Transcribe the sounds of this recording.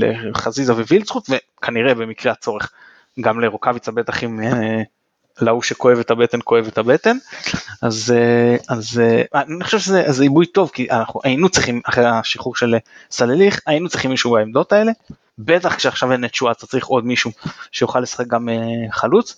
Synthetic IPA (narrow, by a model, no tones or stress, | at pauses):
lḛχazizavevilt͡sχut̪ve̞ | kʰaniʁe̞be̞mikʁeat͡so̞ʁe̞χ | ɡamle̞ʁokavit͡sabe̞t̪aχime | lauʃeko̞e̞vet̪abet̪e̞nko̞e̞vet̪habe̞t̪enazeazeaniχo̥ʃevʃezezeibujt̪o̞vkiʔa̰naχuʔainut͡sʁiχimaχʁeaʃiχuʁʃe̞lsaleliχainut͡sʁiχimːiʃubaemd̪o̞t̪ae̞le̞ | be̞t̪aχkʃeaχʃavenet͡ʃuat͡sat͡saʁiχo̞d̪miʃuʃejuχalːesḁχe̞k̚ɡameχalut͡s